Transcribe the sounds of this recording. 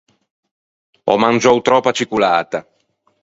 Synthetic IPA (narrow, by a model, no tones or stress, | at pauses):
ɔ̰mand͡ʒɔwt̪ɾɔpːat͡ʃikulaːt̪a